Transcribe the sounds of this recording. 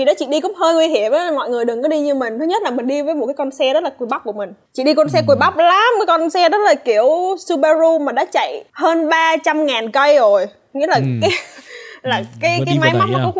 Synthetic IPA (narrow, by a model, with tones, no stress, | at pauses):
vi˨˩ɗɔ˨˦t͡ɕḭ˧˨ɗi˧kʊ̰˦˧˥k͡p̚həː˧jŋwi˧hi˧˩əmʔaː˨˦˨mɔ̰˧˨jŋɨ˨˩əjɗɨ˨˩ŋkɔ˨˦ɗi˧ɲɨ˧mï˨˩ŋ̟t̪ʰɨ˨˦ɲə˦˥t̚laː˨˩mï˨˩ŋ̟ɗi˧vəː˨˦jmo˨˩t̚kːaː˨˦kɔ˧nsɛ˧zə˦˥t̚laː˨˩ku˧˩jɓa˦˥k͡p̚ku˧˩əmï˨˩ŋ̟t͡ɕḭ˧˨ɗi˧kɔ˧ns̬ɛ˧ku˨˩əjɓa˦˥wk͡p̚laː˨˦mkaː˨˦jkɔ˧nsɛ˧zə˦˥t̚laː˨˩ki˧˩əwsu˧ɓa˧zu˧maː˨˩ɗa̰ː˧˥t͡ɕa̰˧˨jhəː˧nɓaː˧t͡ɕa˧mŋaː˨˩nkə˧jzo˨˩j | ŋḭ˧˥laː˨˩kaː˨˦laː˨˩kaː˨˦jkaː˨˦jma˨˦jma˦˥t̚na˨˩kɔ˨˦